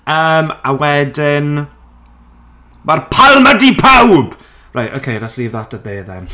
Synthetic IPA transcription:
əːmawɛdɪn | marpʰalˠmadipʰawb̥ | rajto̰kʰejɾasliːvðɔtaðejðɛ̰n

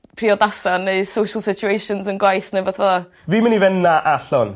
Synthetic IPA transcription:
pʰriːɔdasaneɨsowʃəlˠsɪt͡ʃʰuejʃɔnzənɡwajθnevɔtʰvɔða | viːmənivɛnːaʔaɬɔn

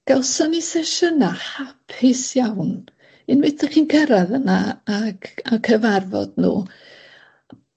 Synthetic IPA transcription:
ɡ̥alˠsɔnisɛʃənahapʰɪsjawn | ɪnmɪtʰəχiːnkʰəɾaðənaːɡakʰəvarvɔ̰d̥nṵː

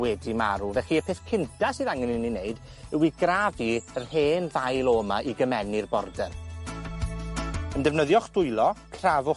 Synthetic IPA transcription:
wɛdima̰ɾuvɛχiəpʰeːθkʰɪntʰasɨːðaŋɛnɪnineɨd | ɪwiɡraviərheːnðajlˠɔmaʔiɡəmɛnɪrbɔrdɛr | əndɛvnəðjɔχd̥ʊɨlˠɔkʰravʊ

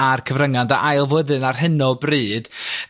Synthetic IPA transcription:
arkʰəvrəŋandaʔajlˠvəðɨnarɦɨnɔbriːd̥

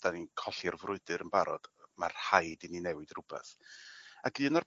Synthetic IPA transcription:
d̥aninkʰɔɬirvrʊɨdɨɾənbaɾɔ̰d̥ma̰rhajdininɛwɨdrʊbɛ̰θ | aɡiənɔr

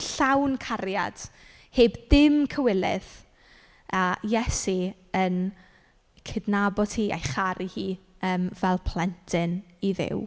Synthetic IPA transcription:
ɬawnkʰarja̰d̥ | heːbdɪmkʰəwɪlɪ̰ð | ajɛsi | ən | kʰɪdnabɔdʰiːʔa̰jχaɾʔihiː | əːmvɛlˠpʰl̥ˠɛntʰɪniðɪ̰w

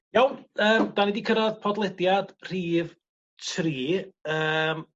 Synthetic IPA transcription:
jawnəːmd̥anidikʰəɾaðpʰɔdlˠɛdjad̥r̥iːv | tʰriːəm

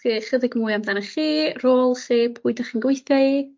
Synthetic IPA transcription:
iχədɪɡmuɨamdanaχiːroːlˠseːpʰuːɨdaχinɡwɪjθai

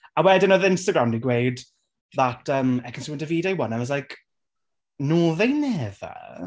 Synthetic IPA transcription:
awɛdonoðəɪ̃nstəɡɹamdiɡwejd | ðatʰəmɛkʰənsuːɪntəviːdajwɔnəməzlajk | nuːðejnɛðə̰

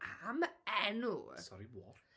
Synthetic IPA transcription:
amɛnṵsɔɾiwɔɾ

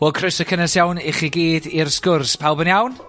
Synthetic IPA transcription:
wɛlˠkʰrɪsəkʰənəsjawnɪχiɡiːdirskʊrspʰawlˠbənjawn

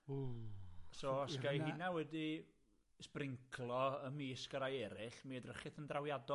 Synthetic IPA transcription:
u | soːɔsɡajhɪnawɛdi | sprɪŋkʰlˠɔəmiːsɡəɾajɛɾɪɬmiədrəχɪθəndrawjadɔ

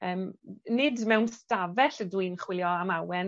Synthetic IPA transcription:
əːmnɪdmɛwnstavɛɬədwɨnχwɪljɔamawɛn

